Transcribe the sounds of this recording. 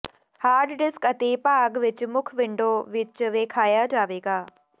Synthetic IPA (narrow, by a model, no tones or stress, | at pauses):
haːɾɖɖɪskɐt̪epaːɡʋɪt͡ʃmʊkʰʋɪ̃ɳɖoːʋɪt͡ʃʋeːkʰaːjad͡ʒaːʋeːɡaː